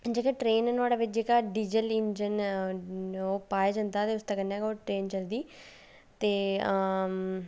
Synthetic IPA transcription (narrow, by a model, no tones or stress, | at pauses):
d͡ʒeːkeːʈɾeːnnaːɽaːʋɪt͡ʃd͡ʒeːkaːɖid͡ʒəlɪnd͡ʒən | oːpaːjaːd͡ʒãːnd̪aːt̪eːʊst̪aːkənːaːkoːʈɾeːnt͡ʃəld̪iː | t̪eː